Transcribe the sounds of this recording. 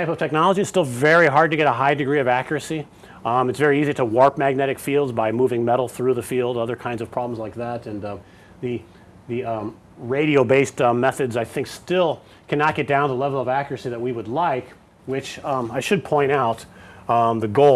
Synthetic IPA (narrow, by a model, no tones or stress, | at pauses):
aɪpʌv̥tʰɛk̚nɑlˠəd͡ʒiɨtstɪlˠvɛɹiɦɑɹd̚tɨɡɛɾəɦaɪdɨɡɹiʌvækjə˞ɨsi | mɨtsvɛɹiiziɾəwɔɹp̚mæɡ̚nɛɾɨkfilˠdzbaɪmuvɪ̃ŋmɛɾl̩ˠθɹʉðɨfilˠdʌðə˞kʰãɪ̃ndzʌv̥pʰɹ̥ɑblm̩zlaɪk̚ðæɾɨ̃n | ðɨ | ðɨ | ɹeɪɾioʊbeɪstmɛθɨdzaɪθɪ̃ŋkstɪlˠ | kʰænɑt̚ɡ̥ɛt̚d̥ãʊ̃nðəlɛvl̩ˠʌvækjə˞ɨsiðɨt̚wiwədˡlaɪk | wɪt͡ʃaɪʃɨd̚pʰɔ̃ɪ̃ɾ̃aʊt̪̚ | ðɨɡoʊ